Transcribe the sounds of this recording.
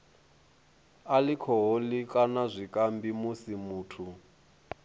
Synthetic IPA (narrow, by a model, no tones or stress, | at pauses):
alikʰɔɦolikʼanazʷikʼambimusimuːtʰu